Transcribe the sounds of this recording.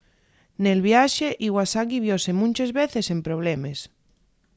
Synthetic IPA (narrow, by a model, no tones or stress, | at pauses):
nelβ̞jaʃeʔiɣwasaɣiβ̞josemũnt͡ʃezβeθesempɾoβ̞lemes